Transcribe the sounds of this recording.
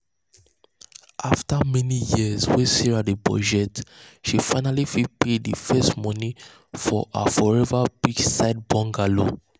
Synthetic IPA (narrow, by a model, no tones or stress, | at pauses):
ʔaftamɛnijizwɛ̃siɹadibɔ̰d͡ʒɛtʃifãɪnalifipʰedifɛstmɔni | fɔʔa̰fɔɹɛvabid͡ʒsaɪd̚bɔ̃ŋɡalo